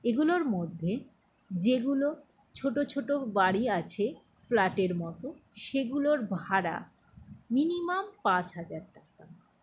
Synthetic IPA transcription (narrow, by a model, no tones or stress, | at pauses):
eɡuloɾmod̪ʱːe | d͡ʑeɡulo | t͡ɕʰoʈot͡ɕʰoʈobaɽiat͡ɕʰe | flaʈeɾmɔt̪oʃeɡuloɾbʱaɾa̰ | minimampãt͡ɕɦad͡ʑaɾʈak̚a